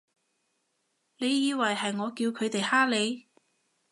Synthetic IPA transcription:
le˨˧jːiː˨˧wɐ˨˩jɦɐ˨jŋɔː˨˧kiː˧wkʰɵ˨˧ɥt̪e˨jhaː˥le˨˧j

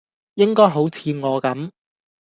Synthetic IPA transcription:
jɪ˥ŋkɔː˥jɦo˨˥wt͡sʰiː˨˧ŋɔː˨˧kɐ˨˥m

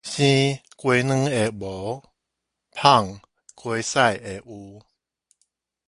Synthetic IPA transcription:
ɕĩ˦ | kwe˧nɨ̃˦e˨bo˨˦ | pʰa˥˧˨ŋ | kwe˧sa˥˨je˨ʔu˧

